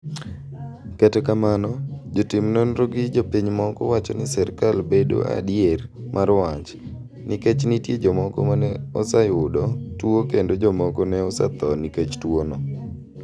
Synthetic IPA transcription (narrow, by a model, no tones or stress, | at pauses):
katɛkamanɔd͡ʒotɪmnonɾoɡɪd͡ʒopiɲmɔkɔ̰wat͡ʃɔnɪsɛrkalbedo̰a̰djermʔaɾwat͡ʃ | nɪket͡ʃnitjed͡ʒɔmɔkɔ̰manɛɔsajʊdɔtwokendod͡ʒɔmɔkɔnɛɔsa̰t̪ɔniket͡ʃtwonɔ